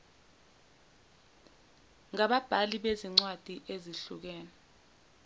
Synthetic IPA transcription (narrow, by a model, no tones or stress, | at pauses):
ŋaɓab̥ʱaliɓeziŋ͡ǀwad̥ʱiʔeziɬuk̬ɛːnɛ